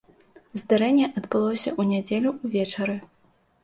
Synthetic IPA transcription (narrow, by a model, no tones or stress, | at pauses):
zd̪aɾɛnʲːɛʔɐd̪bɨlˠɔwsʲɐ̰ʔunʲad͡zʲelʲuuvʲɛt͡ʂɐɾɨ